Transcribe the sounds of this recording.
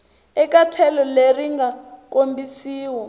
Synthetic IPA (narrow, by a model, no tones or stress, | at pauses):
ɛkʼatʰɛlɔleriŋɡak̬ʼombisiːwɔ